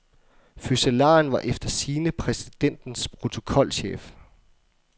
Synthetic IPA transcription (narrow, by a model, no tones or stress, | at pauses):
fyselɑ̰̈nʋɑ̈ʔefd̥ɐsiːnəpʰʁɛsi̥d̥en̰d̥n̩spʰʁo̝t͡sʰo̝̥kʰɒ̽l̰ɕḛːf